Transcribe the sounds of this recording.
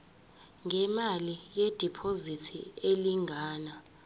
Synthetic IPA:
ŋʱɛmalijɛd̥ʱipʰozitʰieliŋʱaːna

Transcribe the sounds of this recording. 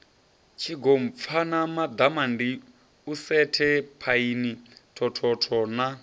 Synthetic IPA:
t͡ʃʰiɡɔm̩p̪fʰanamad̪amandi | usɛtʰɛpʰainitʰɔtʰɔtʰɔna

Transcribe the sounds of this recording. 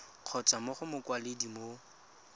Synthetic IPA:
q͡χʰɔt͡sʼamʊχʊmʊkwaledimo

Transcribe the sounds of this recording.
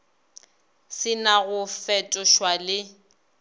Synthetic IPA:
sɪnaɣʊfɛtʼɔʃwalɪ

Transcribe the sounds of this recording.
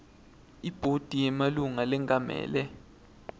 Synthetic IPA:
ib̥ʱod̥ʱijɛmaluŋalɛŋʱʼamɛ̰ːlɛ

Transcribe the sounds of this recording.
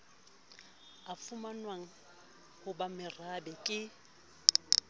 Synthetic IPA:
afʊmanwaŋ̩ | hʊbamɪrabɛkʼɪ

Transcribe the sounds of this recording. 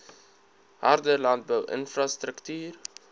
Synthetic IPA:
ɦa̰rdəlɑnt̚bœwʔə̰nfɾɑstɾəktyːr

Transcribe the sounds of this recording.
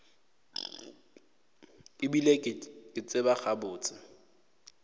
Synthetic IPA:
ɪbilekʼɪt͡sʼɪbaχabʊːt͡sʼɪ

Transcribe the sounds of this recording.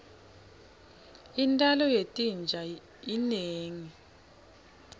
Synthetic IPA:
intʼalɔjetʼind͡ʒʱa | ineːŋi

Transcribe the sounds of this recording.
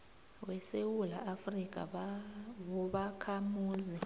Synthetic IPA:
wɛsewulaʔafrik̬ʼa̰ | ɔɓakʰamuːzi

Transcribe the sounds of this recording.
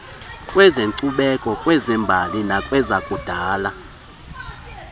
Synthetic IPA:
kʼwɛzenǀuɓɛkʼɔkʼwɛzɛmbʱalinakʼwɛzakʼud̥ʱaːla

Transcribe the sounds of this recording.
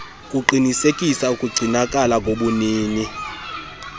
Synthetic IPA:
kʼuǃinisekʼisaukʼuɡ͡ǀʱinakʼalaŋɡʱoɓuniːni

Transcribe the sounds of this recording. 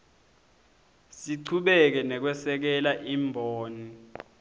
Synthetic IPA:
siǀʰuɓɛk̬ɛnɛk̬wɛsɛk̬ɛlaʔiːmbʱoːni

